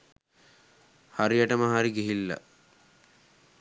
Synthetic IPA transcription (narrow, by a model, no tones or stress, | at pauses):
haɾiaʈəməɦaɾiɡeɦilːa̰